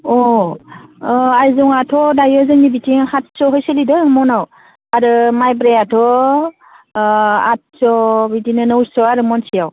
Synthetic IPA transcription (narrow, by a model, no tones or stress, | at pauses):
ɔ | ajzuŋatʰɔdajɔzɯŋnibitʰiŋhʰat̚sɔɦɔjsɯlidɯmɔnaw | aɾɯmajbɾejatʰɔ | at̚sɔbitinɯnɔwsɔaɾɯmɔnsijaw